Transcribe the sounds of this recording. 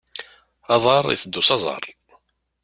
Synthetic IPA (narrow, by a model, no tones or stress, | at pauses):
ɑðˤɑɾˤḭθəd̪ːʊsɑzˤɑ̰ɾˤ